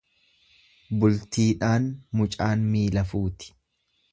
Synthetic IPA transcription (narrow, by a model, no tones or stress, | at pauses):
bʊlt̪iːᶑaːnmʊt͡ʃʼaːnmiːlɐfuːt̪ɪ̥